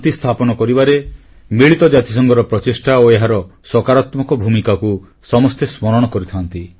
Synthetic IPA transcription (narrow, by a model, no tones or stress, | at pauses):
t̪ist̪ʰapɔnɔkɔɾibaɾe | miɭit̪ɔd͡ʒat̪i̥sɔŋɡɔɾɔpɾɔt͡ʃisʈaoeɦaɾɔsɔkaɾat̪mɔkɔbʱumikaku | sɔmɔst̪esmɔɾɔɽ̃ɔkɔɾit̪ʰant̪i